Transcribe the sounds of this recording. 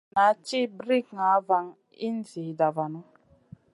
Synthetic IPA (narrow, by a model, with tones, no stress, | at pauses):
na˨˦t͡ʃi˦bɾi˦kŋa˨˦va˨ŋ | ḭ˦n̩˦zi˨da˨va˨nu˦